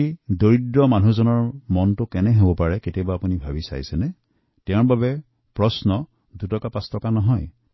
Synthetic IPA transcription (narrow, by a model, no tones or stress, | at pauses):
idoɹidɹɔmanuzɔnɔɹmɔntʊkɛnɛɦobɔpaɹɛketiabaːpunibʱabisa̰jsɛnɛ | tɛ̃ɹbabɛ | pɹɔsnɔ | dutɔkapãstɔkanɔɦɔj